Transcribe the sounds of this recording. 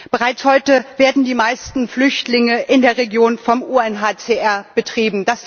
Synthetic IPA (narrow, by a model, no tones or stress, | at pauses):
b̥əʁaɪt͡shɔʏtəveːɐdn̩diːmaɪstn̩flʏçtlɪŋəʔɪndeːɐʁeɡjoːnfɔmuɛnɦaːt͡seʔɛɐb̥ətʁ̥iːbm̩d̥as